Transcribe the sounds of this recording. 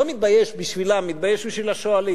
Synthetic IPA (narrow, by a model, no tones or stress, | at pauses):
omit̪̚baje̞ʃbiʃvilamːit̪̚bajeʃbiʃvilaʃoali